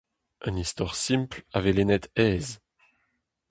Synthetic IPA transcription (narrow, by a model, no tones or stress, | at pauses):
ʔɛ̃nist̪waʁsĩmplavɛlenɛt̪ɛːz